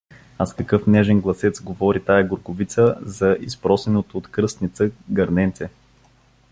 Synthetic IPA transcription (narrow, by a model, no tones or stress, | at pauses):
askɐkɤfnɛʒɛnɡlˠɐsɛt̪sɡovɔɾit̪ajɐɡʊɾɡʊvit̪səzɐʔispɾɔsɛnot̪oːt̪kɾɤst̪nit̪səɡɐɾnɛnt̪sɛ